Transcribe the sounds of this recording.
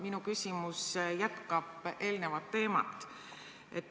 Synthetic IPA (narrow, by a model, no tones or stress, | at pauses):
minukysʲimusjæt̪kɑb̥ʔe̞ːlne̞vɑt̪ːe̞ːmɑ̰t̪ːˑ | ʔet̪ː